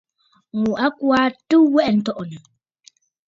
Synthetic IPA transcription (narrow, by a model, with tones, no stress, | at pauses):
mu˨ʔa˦ku˦a˦tu˦wɛ˦ʔɛ˨n̩˨tɔ˦ʔɔ˨na˨